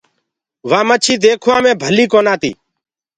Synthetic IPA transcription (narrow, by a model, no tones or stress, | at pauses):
ʋãːmət͡ʃʰiːd̪eːkʰoãːmẽːbʱəliːkoːnaːt̪ḭː